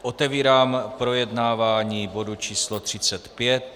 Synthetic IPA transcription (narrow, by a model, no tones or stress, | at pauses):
ʔot̪ɛviːɾaːmpɾo̞jɛdnaːvaːɲiːbo̞dut͡ʃiːslot̪r̥ɪt͡sɛt̪pjɛt̪̚